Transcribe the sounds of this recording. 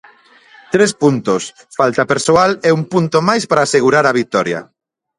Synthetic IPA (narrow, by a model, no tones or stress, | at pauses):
t̪ɾespunt̪os | falt̪apeɾsoalɛumpunt̪omajspaɾaːseɣuɾaɾaβik̚t̪ɔɾja̰